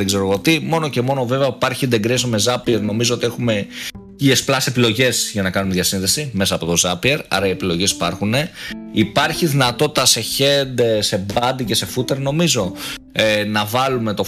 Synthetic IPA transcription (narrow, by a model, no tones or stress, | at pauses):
ðeɡzeɾoɣot̪imo̞no̞ce̞mo̞no̞ve̞veɐpɐɾçind̪eɡɾesome̞zɐpieɾno̞mizoot̪ie̞xume̞ | iesplɐse̞pilo̞ʝe̞zʝɐnɐkɐnumeðʝɐsinðe̞sime̞sɐːpo̞t̪o̞zɐpieɾɐ̰ɾɐie̞pilo̞ʝe̞si̥pɐɾxune̞ipɐɾçiðinɐt̪o̞t̪i̥t̪ɐse̞çe̞nd̪e̞se̞bɐnd̪ice̞se̞fut̪e̞ɾno̞mizo̞ | enɐvɐlume̞t̪o̞